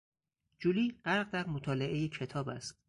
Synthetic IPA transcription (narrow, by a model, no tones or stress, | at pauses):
d͡ʒuliːɢ̥æɾɢd̪æɾmot̪ʰɒːle̞ʔe̞jecʰe̞t̪ʰɒːbæst̪̚